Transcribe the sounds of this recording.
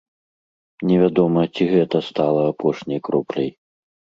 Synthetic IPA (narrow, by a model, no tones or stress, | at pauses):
nʲɛvʲad̪ɔmɐt͡sʲiɣɛt̪ɐst̪alˠɐapʰɔʂnʲɐjkɾɔplʲɐ̰j